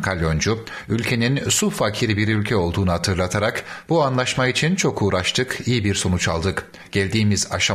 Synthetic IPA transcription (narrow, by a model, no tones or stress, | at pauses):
kʰalʲjo̞nd͡ʒu | ylʲcʰe̞ninsufacʰiɾibiɾylʲcʰɛo̞lˠd̪uːnuɦat̪ʰɯɾlˠat̪ʰaɾakbuanlˠaʃmait͡ʃʰint͡ʃʰo̞kʰuːɾaʃt̪ʰɯkijibiɾso̞nut͡ʃalˠd̪ɯk | ɟ̥ælʲd̪iːmiza̰ʃa